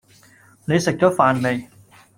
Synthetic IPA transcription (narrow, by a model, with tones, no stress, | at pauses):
ne˨˧jsɪ˨k̚t͡ɕɔː˨˥faː˨nme˨˧j